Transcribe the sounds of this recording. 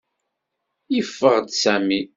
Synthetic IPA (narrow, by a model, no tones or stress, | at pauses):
ifːəʁd̪sæmi